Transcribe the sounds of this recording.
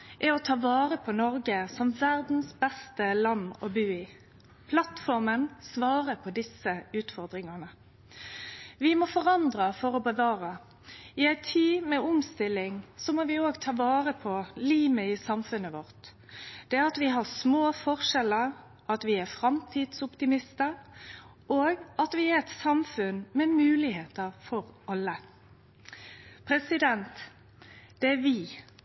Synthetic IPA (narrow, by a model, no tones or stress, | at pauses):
ʔɛɔt̪ʰɑːʋɑːʁəpʰɔnɔɾɡəsɔmʋæʁd̪n̩sbɛst̪əlɑnːɔ̰bʉːɪ | pʰlɑt̪fɔʁmənsʋɑːʁəpʰɔd̪ɪsəʉːt̪fɔʁd̪ɾɪŋɑnə | ʋɪmɔfɔʁɑnd̪ʁəfɔɾɔbəʋɑːɾə | ɪæɪt̪ʰiːmɛʊmst̪ɪlɪŋsɔmoːʋɪoːɡt̪ʰɑːʋɑːʁəpʰɔliːməɪsɑmfʉnəʋɔʁt̪ | d̪̥ɛɑt̪ʋɪɦɑʁsmoːfɔʁʂɛləʁ | ɑt̪ʋɪæɾfɾɑmt̪ʰiːd̪sʊpt̪ɪmɪst̪ə | ʔoːɡɑt̪ʋɪæɾɛt̪sɑmfʉnmɛmʉːlɪheːt̪əʁfɔɾɑlːə | pʰɾɛsɪd̪ɛnt̪ | d̪̥ɛæɾʋɪː